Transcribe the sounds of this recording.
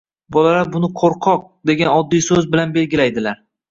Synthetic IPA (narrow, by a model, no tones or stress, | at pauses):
bɒlalaɾbʊnɪqʰoɾqʰɒq̚d̪e̞ɡʲanɒd̪ːijsɵzbɪlanbe̞lɡʲɪlajd̪ɪlaɾ